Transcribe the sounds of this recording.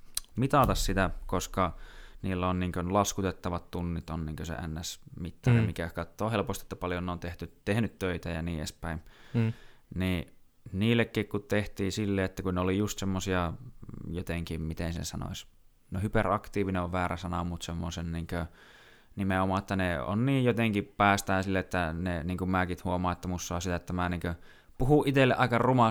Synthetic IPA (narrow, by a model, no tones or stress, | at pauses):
mit̪ɑt̪ɑssit̪ækoskɑniːlːonniːŋkønlɑskut̪et̪ːɑʋɑt̪t̪unːit̪onniːŋkøsḛæ̰nːæsmit̪ːɑremmikækɑt̪ːoːhelpost̪iet̪ːæpɑljoneont̪eht̪yt̪ehnyt̪tøit̪æjɑniːḛspæim | niː | niːlːˑekːikkutt̪eht̪iːsilːeet̪ːækunneolijust̪semːosiɑjot̪eŋkimmit̪ensnḛsɑno̰is | nohyperɑkt̪iːʋineoʋʋæːræsɑnɑ̰mːut̪semːosenniːŋkø | nimeomɑːet̪ːæneo̰nniːjjot̪eŋkippæːst̪æːnsilːeet̪ːæneniːŋkummæːkit̪huomˑɑːet̪ːæmusːɑːˑsit̪æet̪ːæmæniːŋkø | puhuʔʔit̪elːḛʔɑˑikɑrumɑ